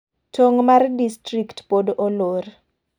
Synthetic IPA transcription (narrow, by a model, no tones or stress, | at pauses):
tʰoŋmardistɾiktpodʔolor